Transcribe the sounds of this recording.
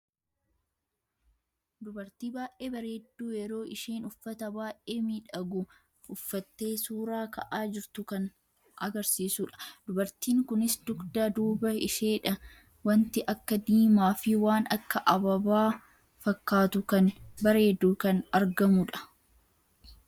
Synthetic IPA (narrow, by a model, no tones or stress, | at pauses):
d̪ʊbɐɾt̪iːbaːjʔʔe̞ːbɐɾe̞ːd̪ːuːjɛɾo̞ːʔɪʃeːnʊfːɐt̪ɐbaːʔeːmiːᶑɐɡʊ | ʊfːɐt̪ːe̞ːsuːɾaːkɐʔaːd͡ʒɪɾt̪ʊkɐn | ʔɐɡɐɾsiːsʊːᶑɐ̥d̪ʊbɐɾt̪iːŋkʊnɪsd̪ʊɡd̪aːd̪uːbɐɪʃeːᶑɐ | wɐnt̪ɪʔɐkːɐd̪iːmaːfɪwaːnɐkːɐʔɐbɐbaː | fɐkːaːt̪ʊkɐnbɐɾe̞ːd̪ːuːkɐnɐɾɡɐmʊᶑɐ̥